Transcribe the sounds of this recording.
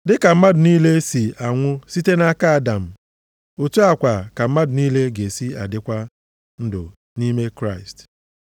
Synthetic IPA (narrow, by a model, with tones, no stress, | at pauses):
dɪ˦ka˨m̩˦ma˦dʊ˨niː˦le˦si˨a˨ŋʷʊ˦si˦te˦na˦ka˦a˨da˨m̩˨ | o˨tu˦a˨kʷa˨ka˨m̩˦ma˦dʊ˨niː˦le˦ɡe˨si˦a̰˨dɪ˦kʷa˦ | n̩˦dʊ̰˨ | ni˦me˦kɾa˦˨ɪ˨st